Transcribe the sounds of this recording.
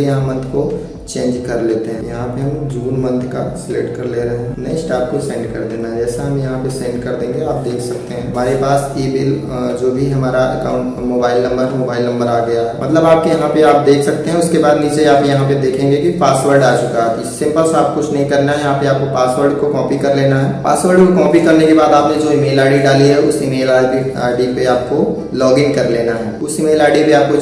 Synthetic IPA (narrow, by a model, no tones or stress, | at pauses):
jɐɦãmɐ̃nd̪ko | t͡ʃẽːɲd͡ʒkɐɾleːt̪eɦɛ̃jɐɦãpeɦɐ̃md͡ʒuːnmɐ̃nd̪kaslḛːʈkɐɾleːɾɐɦẽnɐĩsʈaːp̚kosɛ̃ːɳɖkɐ̰ɾd̪eːnad͡ʒɛːseɦɐmjɐɦãpesɛ̃ːɳɖkɐɾd̪ẽːŋɡeaːp̚d̪eːkʰsɐk̚t̪eɦɛ̃ːɦɐmaːɾepaːs | eːbɪl | d͡ʒoːbʱiɦɐmaːɾaʔɐ̰kaːʊ̃ɳʈmoːbaːɪlnɐ̃mbəɾmoːbaːɪlnɐ̃mbəɾaːɡɐjaɦɛmɐt̪ləbaːp̚kijɐɦãpeaːp̚d̪eːkʰsɐk̚t̪eɦɛ̃ʊskebaːd̪liːd͡ʒeaːpjɐɦãped̪eːkʰẽːŋɡekipaːsʋəɾɖaːt͡ʃʊkaɦt̪isɪ̃mpəlsaːp̚kʊt͡ʃʰnɐɦĩkɐɾnaɦɛjɐɦãpeaːp̚kopaːsʋəɾɖkokɔ̃ːpikɐɾleːnaɦɛpaːsʋəɾɖkokɔ̃ːpikɐɾnekebaːd̪aːpned͡ʒoːimeːlaːɪɖiɖaːliɦɛʊsimeːlaːbi | a̰ːɪɖipeaːp̚ko | lɔːɡɪ̃ŋɡkɐɾleːnaɦɛːʊsimeːlaːɪɖipeaːp̚ko